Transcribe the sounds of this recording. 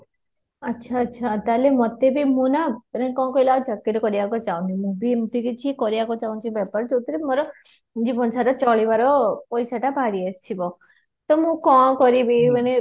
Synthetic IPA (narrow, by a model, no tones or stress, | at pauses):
ətːʃʰatːʃʰat̪alemɔt̪ːebʱimũnanekɔ̃kɔjlad͡ʒʱəkːiɾkɔɾijakot͡ʃaũnimũbʱimt̪ukit͡ʃʰikɔɾjakot͡ʃaũnt͡ʃʰibɛpəɾt͡ʃut̪ɾimɔɾɔ | d͡ʒipɔnsaʈat͡ʃɔɭiʋaɾopɔjsaʈabʱaɾiest͡ʃʰibɔ | t̪ɔmũkɔkɔɾibiəne